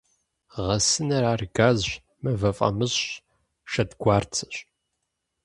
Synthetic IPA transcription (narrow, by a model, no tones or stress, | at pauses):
ʁɐsɨnɐɾaːrɡaːzɕ | mɐvɐfʼɐ̰mɨzɕ | ʃɐdɡʷaːrt͡sʰɨ̥ɕʼ